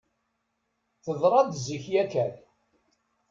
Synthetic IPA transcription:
θəðˤɾˤɑd̪zəçjækæl

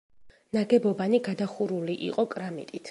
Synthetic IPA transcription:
naɡɛbɔbaniɡad̪aχuɾuliʔḭqʼɔkʼɾamḭt̪ʼit̪ʰ

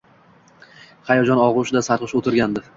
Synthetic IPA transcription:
χajɒd͡ʒɒnɒʁʊʃɪd̪asaɾqʰɨʃot̪ʰɪɾɡʲand̪ɪ

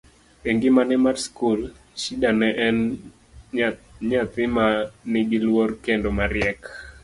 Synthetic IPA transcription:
eŋɡɪmanɛmarskul | ʃidanɛʔɛn | ɲat̪ɪmanɪɡɪlworkendomaɾjɛk

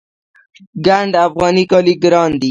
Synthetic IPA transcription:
ɡaɳɖafɣɑnikɑliɡɾɑnd̪i

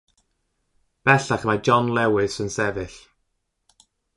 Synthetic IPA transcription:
b̥ɛɬaχəmad͡ʒɔnlɛwɪsənsɛvɨɬ

